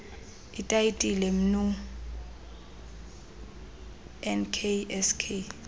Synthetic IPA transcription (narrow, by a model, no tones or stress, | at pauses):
itʼaitʼilɛm̩nu | ɛnkʰeɛskʰe